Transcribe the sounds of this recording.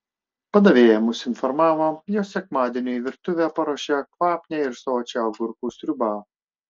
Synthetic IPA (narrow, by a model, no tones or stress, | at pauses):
pɐd̪ɐʋʲeːjɛmʊsɪnfɔɾmɑːʋojoːsʲɛkmɑːd̪ʲenʲoːiʋʲɪɾt̪ʊʋʲæːpɐɾoːʃʲɛkʋɑːpʲnʲɛːɪɾsoːt͡ʃʲɛɡʊɾkuːsɾʲʊbɑː